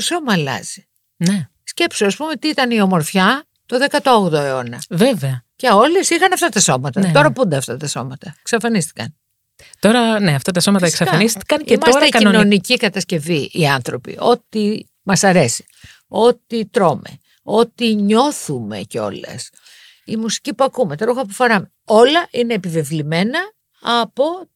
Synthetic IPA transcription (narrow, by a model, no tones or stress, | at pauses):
t̪oso̞mɐːlɐ̰zi | ne | sce̞psoɐspumet̪iit̪ɐnio̞mo̞ɾfçɐ | t̪o̞ðekɐt̪ooɣðoeo̞nɐveveɐceo̞lesixɐnɐft̪ɐt̪ɐso̞mɐt̪ɐo̞ɾɐpund̪eɐft̪ɐt̪ɐso̞mɐt̪ɐeksɐfɐnist̪i̥kɐn | t̪o̞ɾɐneɐft̪ɐt̪ɐso̞mɐt̪ɐeksɐfɐnist̪i̥kɐnimɐsekɐino̞nicikɐt̪ɐsce̞viʔiɐnθɾo̞pḭʔo̞t̪i | mɐsɐɾe̞si̥ | o̞t̪it̪ɾo̞me̞̰ | o̞t̪iɲo̞θumḛceo̞̰lɐ̰s | imusi̥cipuɐkumet̪ɐɾuxɐpufɐɾɐm | o̞lɐʔine̞ːpive̞vlime̞nɐː | po̞